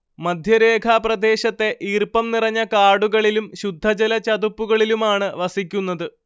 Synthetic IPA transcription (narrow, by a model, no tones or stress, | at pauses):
mɐd̪ʱjɐɾe̞ːkʰaːprɐd̪e̞ːɕɐt̪ːe̞ʔiːrpɐmnirɐɲːɐkaːɽuɣɐɭilumɕud̪ʱːɐt͡ɕɐlɐt͡ɕɐd̪upːuɣɐɭilumaːɳɨʋɐsikʲːunːɐðɨ